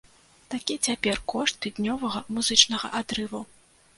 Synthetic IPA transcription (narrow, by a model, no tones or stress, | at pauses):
t̪akʲit͡sʲapʲɛrkɔʂt̪ɨd̪nʲɔvɐɣɐmuzɨt͡ʂnɐɣɐ̰ʔad̪ɾɨvu